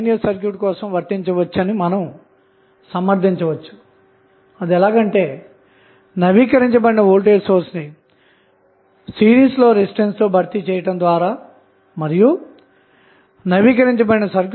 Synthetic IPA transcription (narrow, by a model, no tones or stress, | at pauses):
nijɐɾsɐɾkjuːʈkɔːsɐ̃mʋɐɾt̪iɲt͡ʃɐʋɐt͡ʃːɐnimɐnɐm | sɐmɐɾt̪iɲt͡ʃɐʋɐt͡ʃːu̥ | ɐd̪iɛlaːɡɐɳʈe̞ː | nɐʋiːkɐɾiɲt͡ʃɐbɐɽinɐɦoːlʈeːɖsoːɾsni | siːɾiːsloːɾesiɖenst̪oːbʱɐɾt̪it͡ʃɛːjɐʈɐmd̪ʋaːɾaː | mɐɾiju | nɐʋiːkɐɾiɲt͡ʃɐbɐɽinɐsɐɾk